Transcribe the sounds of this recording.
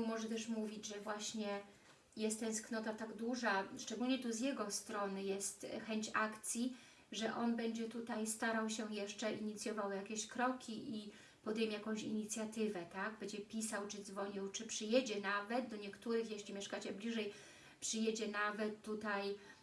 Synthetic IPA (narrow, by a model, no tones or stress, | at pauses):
mɔʐɛt̪ɛʂmuvʲid͡ʑʐɛvwaɕɲɛ | jɛst̪ːɛ̃nsknɔt̪at̪aɡd̪uʐaʂt͡ʂɛɡulɲɛt̪uzʲjɛɡɔst̪ɾɔnɘjɛst̪xɛɲt͡ɕakt̪sʲji | ʐɛʔɔnbɛɲd͡ʑɛt̪ut̪ajst̪aɾawɕɛjɛʂt͡ʂɛʔiɲit̪sʲjɔvawjakʲeɕkɾɔkʲiʔi | pɔd̪ɛjmʲjakɔ̃w̃ɕḭɲit̪sʲjat̪ɘvɛt̪aɡbɛɲd͡ʑɛpʲisawt͡ʂɘd̪zvɔɲiwt͡ʂɘpʂɘjɛd͡ʑɛnavɛd̪̚d̪ɔɲɛkt̪uɾɘxjɛɕlʲimʲjɛʂkat͡ɕɛblʲiʐɛj | pʂɘjɛd͡ʑɛnavɛt̪ːut̪aj